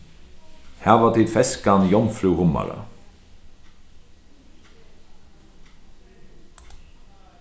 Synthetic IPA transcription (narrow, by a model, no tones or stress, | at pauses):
hæːʁʋɑːʁt̪d̪ʰiːd̪fɛskɑnjɔmflʉːʁʊmɑ̰ʁə̰